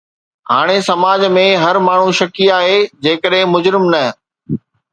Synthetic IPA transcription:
ɦaːɽ̃esɐmaːd͡ʑmẽɦɐɾmaːɳ̤ũʃɐkiaːɦed͡ʑeːkəɗɦɪ̃mʊd͡ʑɾɪmnɐ

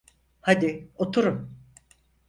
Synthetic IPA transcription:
had̪ɪot̪ʰuɾum

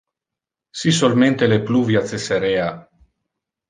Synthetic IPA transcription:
sisolmẽnt̪elepluvjat̪seseɾea

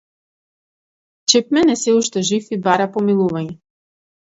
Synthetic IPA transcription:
t͡ʃɛp̚mɛnɛsɛuʃt̪ɛʒifibaɾapɔmilˠuvaɲɛ

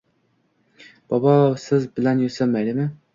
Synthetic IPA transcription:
b̥ɑbɑsɪzbɪlɛnjysɪmːɛd̪ɪmɪ

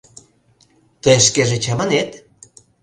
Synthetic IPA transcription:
t̪əjeʃkeʒet͡ɕɑmanet̪

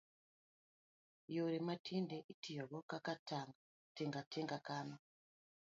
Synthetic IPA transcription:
joɾematʰindeʔitʰijoβokakatʰaŋɡa | teŋɡatʰeŋɡakaːna

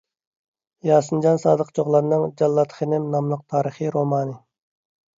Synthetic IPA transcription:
jɑːsɨnd͡ʒɑnsɑːd̪əqt͡ʃʰoʁlˠɑd̪nɨŋd͡ʒɑlˠːɑt̪χənɪmnɑmlˠəq̚t̪ʰɑːɾəχiɾomɑːnɨ

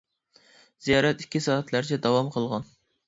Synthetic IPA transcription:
z̥ijɑːɾɛt̪i̥kʲːisɑːɛt̪ʰlæɾt͡ʃʰɛd̪ɑwɑmqʰəlˠʁɑn

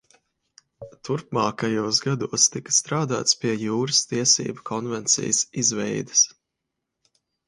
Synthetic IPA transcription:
t̪uɾpmaːkajuɔzɡad̪uɔst̪ikɐ̥st̪ɾaːd̪a̰ːt̪spiɛjuːɾɐst̪iɛsḭːbakʰɔnvɛnt̪sḭjəsizvɛjd̪ɐs

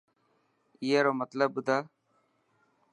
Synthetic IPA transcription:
iːeːɾoːmət̪ləbːʊd̪ʱaː

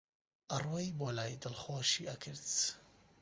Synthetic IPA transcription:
ʔɐrwojboːlaːjd̪ɨlxoːʃiːʔɐkʰɨɾt̪

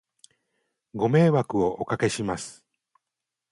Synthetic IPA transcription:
ɡo̞me̞ːβakɯ̟o̞ʔokake̞ɕimasɨ̥

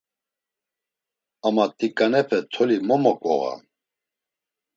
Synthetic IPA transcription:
amat̪ʼikʼanɛpʰɛt̪ʰɔlimɔmɔkʼɔ̰ɣa̰

